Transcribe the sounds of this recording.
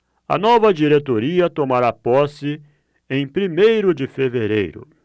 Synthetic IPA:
ɐ̰nɔvɐd͡ʒiɾet̪oɾiɐt̪omaɾapɔsɪ | ẽj̃pɾimejɾʊd͡ʒɪfeveɾḛjɾʊ̰

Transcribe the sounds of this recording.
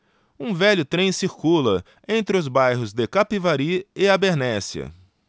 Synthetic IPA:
ũvɛʎʊt̪ɾẽj̃siɾkulɐ | ẽnt̪ɾɪʊzbajɦʊzd̪ɪkapivaɾiɪabeɾnɛsiɐ̰

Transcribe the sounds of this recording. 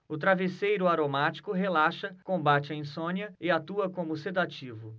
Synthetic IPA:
ʊt̪ɾavesejɾʊaɾomat͡ʃi̥kʊɦelaʃɐkõbat͡ʃɪɐĩsõniɐɪat̪uɐkõmʊsed̪at͡ʃivʊ

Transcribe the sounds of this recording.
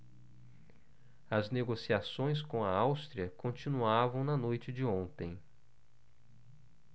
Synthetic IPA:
ɐzneɡosiasõj̃s̬kõɐawst̪ɾiɐkõnt͡ʃĩnuavɐ̃w̃nɐnojt͡ʃɪd͡ʒɪõnt̪ẽj̃

